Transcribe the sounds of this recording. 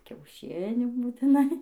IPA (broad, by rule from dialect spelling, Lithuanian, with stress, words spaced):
kʲɛʊˈʃʲɪnʲuː buːtʲɪˈnɐɪ